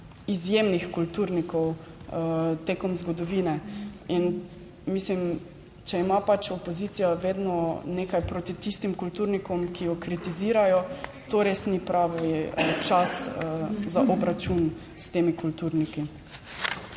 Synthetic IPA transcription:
izjeːmnixkult̪uɾnikɔw | t̪eːkɔmzɡɔd̪ɔʋiːnɛin | mislim | t͡ʃɛimapat͡ʃɔpozit̪sijaʋeːd̪nɔneːkajpɾoːt̪it̪ist̪imkult̪uɾnikɔmkijɔkɾit̪iziːɾajɔ | t̪oɾeːsnipɾaːʋiət͡ʃasəzaʔɔbɾat͡ʃun | st̪eːmikult̪uɾniki

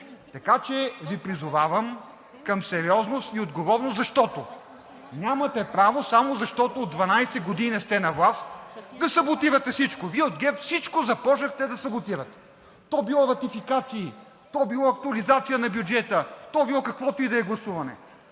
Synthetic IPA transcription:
t̪ɐkat͡ʃɛvipɾizʊvavɐm | kɐmsɛɾiɔznost̪iod̪ɡovɔɾnoɐʃt̪ɔt̪o | nʲamɐt̪ɛpɾavosamozɐʃt̪ɔt̪oːd̪vɐnajsɛɡod̪inɛst̪ɛnɐvlˠast̪d̪ɐsɐbot̪iɾɐt̪ɛfsit͡ʃkoviɛod̪ɡɛffsit͡ʃkozɐpɔʒəxt̪ɛd̪ɐsɐbot̪iɾɐt̪ɛ̥ | t̪ɔbilˠɔɾɐt̪ifikat̪siː | t̪ɔbilˠɔɐk̚t̪ʊɐlizat̪sijənɐbjud͡ʒɛt̪ət̪ɔbilˠɔkɐkvɔt̪oid̪ɐɛɡlˠɐsuvɐnɛ̰

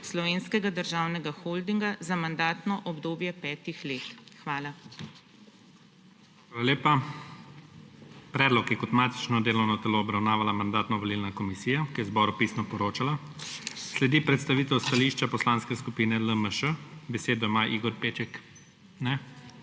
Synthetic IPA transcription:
slɔʋeːnskɛɡad̪əɾʒaːwnɛɡaxold̪iŋɡazamand̪aːt̪nɔʔɔbd̪oːbjɛpɛːt̪ixlet̪xʋaːla | xʋaːlaleːpa | pɾɛːd̪lɔkjɛkɔt̪maːt̪i̥t͡ʃnɔd̪eːlɔwnɔt̪ɛloːbɾawnaːʋalamand̪aːt̪nɔʋɔliːlnakɔmisiːjakijɛzbɔːɾupiːsnɔpɔɾoːt͡ʃala | slɛd̪ipɾɛt̪st̪aʋiːt̪ɛwst̪aliʃt͡ʃapɔslanskɛskupiːnɛləməʃəbɛseːd̪ɔjmaʔiɡɔɾpeːt͡ʃɛk | nɛ

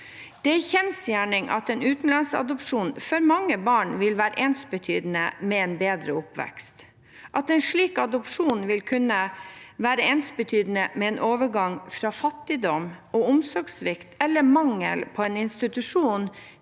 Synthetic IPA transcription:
d̪̥ɛæçɛnsjæːɳɪŋʔɑ̰t̪ɛnʉːt̪n̩lɑnsɑ̰d̪ɔpʂuːnfɔɾmɑŋːəbɑːɳʋɪlʋæːɾə̰ʔeːnsbət̪ʰyːd̪ənəmɛɛnbeːd̪ɾəʊpʋɛ̰kst̪ | ʔɑt̪ɛnʂɭiːkɑd̪ɔpʂuːnʋɪlkʰʉnːəʋæːɾəeːnsbət̪ʰyːd̪ən̩əmɛɛːnʔoːʋəɾɡɑŋfɾɑfɑt̪ːɪd̪ɔmoːʊmsɔɡsʋɪkt̪ʰɛlːəmɑŋːə̰lpʰɔɛːnɪnst̪ɪt̪ʉʂuːn

